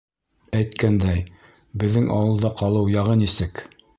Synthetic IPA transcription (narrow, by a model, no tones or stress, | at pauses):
æjt̪kænd̪æj | bɘ̆ðːɘŋʔɑwɤ̆lˠd̪ɑqɑlˠɤwjɑʁɤnisɘk